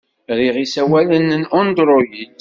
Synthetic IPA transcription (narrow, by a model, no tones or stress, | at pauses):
ɾiʁisæwælənnɔnd̪ɾˤojid